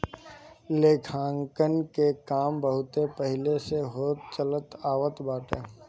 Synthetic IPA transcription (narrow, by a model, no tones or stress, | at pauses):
leːkʰãːŋkənkekaːmbəɦʊt̪epəɦɪleseɦoːt̪̚t͡ʃələt̪aːʋət̪baːʈeː